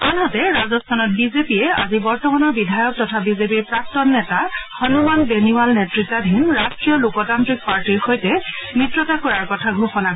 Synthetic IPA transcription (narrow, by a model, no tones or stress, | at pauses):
anɦɔtɛɹazɔstʰanɔt̚bizepiɛa̰zibɔɹtɔmanɔɹbidʱajɔk̚tɔtʰabizepiɹpɹak̚tɔnːɛtaxɔnumanbeniwalnɛtɹitadʱinɹastɹiɔlukɔtantɹik̚paɹtiɹxojtɛmɹitɹɔtakɔɹaɹkɔtʰaɡʱoxɔna